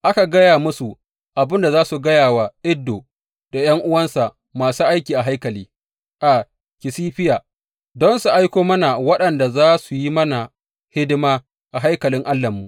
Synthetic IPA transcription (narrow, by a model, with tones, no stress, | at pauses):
ʔa˦ka˨ɡɐ˦jaː˨mʊ˦su˨ | ʔa˨bɪ˦nda˨zaː˦su˨ɡɐ˦jaː˨waː˨ʔɪ˦dːo˨ | d̥a˨j̰ɐ˦ŋʔʊ˦wɐ˦nsa˨ʔ | maː˨suː˦ʔa˦jkʲiː˨ʔa˨ɦa˦jkɐ˨liː˦ | ʔa˨ | kʲɪ˨siː˦ɸɪ˦jaː˨ | dɔ˦nsu˨ʔa˦jkʷoː˦mɐ˦na˨wɐ˦ɗɐ˨nda˨zaː˦su˨ji˦mɐ˦na˨ | hɪ˦dɪ˦maː˦ | ʔa˨ɦa˦jkɐ˨lɪ˦ŋʔa˦lːɐ˨mːu˨ʔ